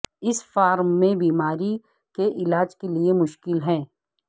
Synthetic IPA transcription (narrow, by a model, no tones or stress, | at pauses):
ɪsfaːɾmːẽbiːmaːɾi | keʔɪlaːd͡ʒkeliemʊʃkɪlɦɛ̃ː